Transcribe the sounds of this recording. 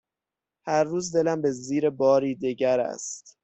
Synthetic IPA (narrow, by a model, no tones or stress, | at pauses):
hæɾːuːzd̪e̞læmbe̞ziːɾebɒːɾiːd̪iɟæɾæ̰st̪